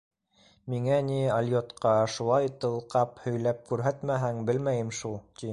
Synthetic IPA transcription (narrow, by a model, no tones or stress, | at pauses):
miŋæniɐlʲjot̪qɑʃulˠɑjt̪ɤ̆lˠqɑphɵ̆jlæp̚kʉɾɦæt̪mæɦæŋbɘlmæjɘ̆mʃulˠt̪i